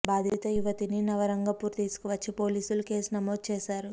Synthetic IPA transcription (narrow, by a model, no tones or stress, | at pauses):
baːd̪ʱit̪ɐjuʋɐt̪ininɐʋɐɾɐŋɡɐpuːɾt̪iːsu̥kɔʋɐt͡ʃːipo̞ːliːsulukeːsunɐmo̞ːd̪̚t͡ʃeːʃaːɾu